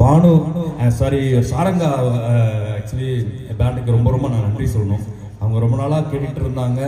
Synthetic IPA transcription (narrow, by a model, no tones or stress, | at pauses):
maːɳusaːɾisaːɾɐŋɡaː | ak̚t͡ʃɐli | baːɳɖɯkːɯɾɔmbɐɾɔmːbɐnãːnɐɳɖrisɔlːɐnũː | ɐʋɐŋɡɐɾɔmbɐnaːlaːkeʈːɪʈːɪɾɯnd̪aːŋɡɐ